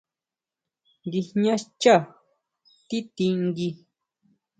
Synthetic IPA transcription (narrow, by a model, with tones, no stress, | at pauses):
ŋɡi˧hɲã˦t͡ʃa˦˨ | t̪i˦t̪ĩ˧ŋɡi˧